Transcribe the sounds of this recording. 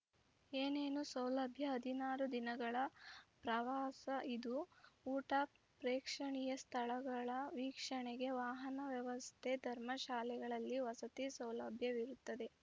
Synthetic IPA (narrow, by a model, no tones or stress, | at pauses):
eːneːnusɐwlɐbʱjɐɦɐd̪ʱinaːɾud̪inɐɡɐɭɐpɾɐʋaːsɐid̪uuːʈapɾeːkʂɐɳijɐst̪ʰɐɭɐɡɐɭɐʋiːkʂɐɳeɡe̞ʋaːɦɐnɐʋjɐʋɐst̪ʰed̪ʱɐɾmɐʃaːlɛɡɐɭɐlːiʋɐsɐt̪isɐwlɐbʱjɐʋiɾut̪ːɐd̪e